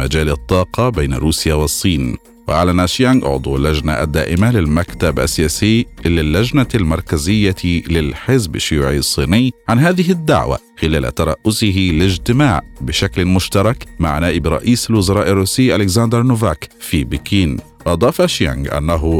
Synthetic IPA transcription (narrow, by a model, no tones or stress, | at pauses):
ad͡ʒaːlt̪ˤːɑːqɑbejna̰ɾuːsjawɪsˤːiːn | wɪʔaʕlanʔʃjaŋɡʔʊ̰ʕd̪ˤulːad͡ʒna̰ʔd̪ːaːʔɪmalɪlmakt̪abʔa̰sɪjaːsɪjːlɪlːad͡ʒnalmɑɾˤkazɪjːalɪlħɪzbʃʊjuːʕisˤːiːnɪjːʕanɦaːðɪɦɪd̪ːa̰ʕwa̰ | xɪlaːla̰t̪ɑɾˤɑ̰ːʔːʊsɪɦɪlɪd͡ʒt̪ɪmaːʕbɪʃaklɪmʊʃt̪ɑɾˤɑkma̰ʕnaːʔɪbɾˤɑ̰ʔiːsalwʊzɑɾˤɑːʔɪrˤːuːsɪjːʔalɪkzand̪ɾˤnʊvaːkfibɪkiːn | wʔɑd̪ˤɑːfʔʃja̰ŋɡʔa̰nːaɦʊ